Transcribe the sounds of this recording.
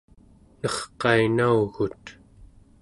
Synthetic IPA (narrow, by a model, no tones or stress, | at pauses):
nʌχqɑinauɣut̪